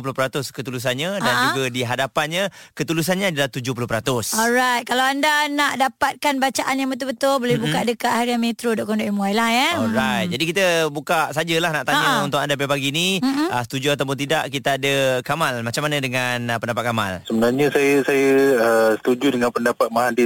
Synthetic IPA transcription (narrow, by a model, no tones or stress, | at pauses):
pulʊhpəɾat̪ʊskət̪ulus̬anɲadand͡ʒuɡadiɦadapanɲəkət̪ulus̬anɲaːdalaht̪ud͡ʒʊhp̬ulʊpəɾat̪ʊsɔlɾajt̪̚kalawandanaʔdapat̪̚kanbat͡ʃaʔanjaŋbət̪̬ubət̪ʊlbolɛbukaʔdəkaʔhaɾijaŋmet̪ɾodɔʔkɔndoʔimuajlahɛɔɾajt̪̚d͡ʒadikit̪əbukaʔsad͡ʒəlahnaʔt̪aɲaunt̪ʊkandap̬ipaɡiniəsət̪ud͡ʒuat̪awp̬ʊnt̪idaʔkit̪aadəkamalmat͡ʃamːanədəŋanpəndap̬at̪̚kama̰lsəbənarɲəsajəsajəəsə̥t̪ud͡ʒudəŋãnpəndapat̪̚maadi